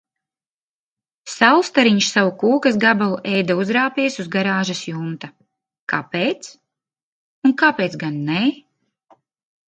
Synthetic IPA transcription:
sawˠst̪aɾiɲʃsawukuːkasɡabalˠuʔɛjd̪auzɾaːpiɛsuzɡaɾaːʒasjuːmt̪a | kapeːt̪s | unkapeːt̪ɡanːɛː

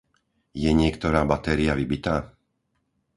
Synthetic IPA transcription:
jɛɲɪɛkt̪ɔɾaːbat̪ɛɾiaʋibit̪aː

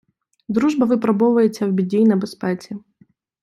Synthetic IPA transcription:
d̪ɾuʒbɐʋɪpɾɔbɔʋɐjet͡sʲːɐwbʲidʲijnɐbespɛt͡sʲi

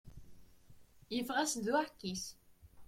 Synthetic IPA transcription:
jəfʁæsðwaħkːis

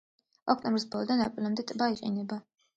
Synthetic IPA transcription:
ɔ̰k̚ʰt̪ʰʼɔmbɾisbɔlˠɔd̪anapʼilamd̪ɛt̪ʼbaiqʼḭnɛba

